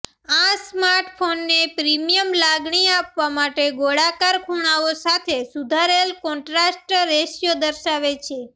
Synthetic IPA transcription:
asmaɾʈfʰonːepɾimijəmlaɡɳ̃iapʋamaʈeɡoɽakaɾkʰuɽ̃aosat̪ʰesud̪ʱaɾelkɔ̃ɳʈɾasʈːeʃjod̪əɾʃaʋet͡ʃʰe

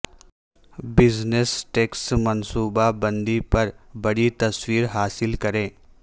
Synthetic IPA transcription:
bɪznesʈeːksmɐnsuːbabɐ̃nd̪ipɐɾbɐɽit̪ɐswiːɾɦaːsɪlkɐɾẽː

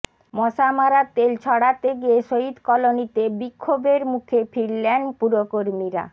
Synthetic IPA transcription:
mɔʃamaɾat̪elt͡ɕʰɔɽat̪eɡieʃoɦid̪kɔlonit̪ebikʰːobeɾmukʰefʰiɾlenpuɾokoɾmiɾa̰

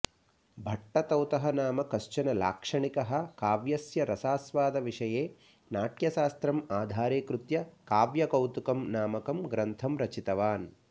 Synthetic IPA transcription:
bʱɐʈːɐt̪ɐwt̪ɐɦɐnaːmɐkɐʃt͡ʃɐnɐla̰ːkʂɐɳikɐɦɐ̆kaːʋjɐsjɐɾɐsaːsʋaːd̪ɐʋiʂɐjeː | naːʈjɐʃaːst̪ɾɐmaːd̪ʱaːɾeːkɾut̪jɐkaːʋjɐkɐwt̪ukɐmnaːmɐkɐmɡɾɐnt̪ʰɐmɾɐt͡ʃit̪ɐʋaːn

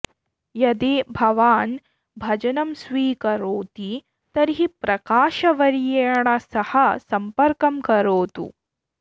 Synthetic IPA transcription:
jɐd̪eːbʱɐʋaːn | bʱɐd͡ʒɐnɐmsʋiːkɐɾoːt̪i | t̪ɐɾiɦipɾɐkaːʃɐʋɐɾijeːɳɐsɐhɐsɐmpɐɾkɐmkɐɾoːt̪ṵ

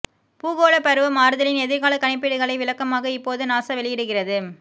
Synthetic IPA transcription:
puːɣoːɭɐpɐɾɯʋɐmaːɾɯðɐlɪnɛðɪɾɣaːlɐkɐɳɪp̬ːɪɽɯɣɐɭɐɪʋɪlɐkːɐmaːɣɐɪpːoːðɯnaːsɐʋɛɭɪjɪɽɯɣɪrɐðɯ

